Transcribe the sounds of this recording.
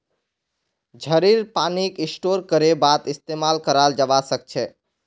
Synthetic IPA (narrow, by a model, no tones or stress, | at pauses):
d͡ʒʱəɾiɾpanikɪsʈoɾkəɾebat̪ist̪emalkəɾald͡ʒəʋasək̚t͡ʃʰɛ